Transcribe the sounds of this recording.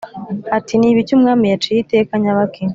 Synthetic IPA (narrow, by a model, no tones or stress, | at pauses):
atiniːβicumŋaːmijat͡ʃijite̞ːkaɲaβake